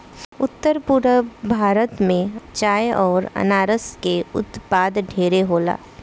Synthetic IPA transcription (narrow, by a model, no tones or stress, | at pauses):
ʊt̪ːəɾpʊɾəbʱaːɾət̪mẽt͡ʃaːjɔːɾɐ̰naːɾəskeʊ̰t̪paːd̪ɖʱeːɾeɦoːla̰ː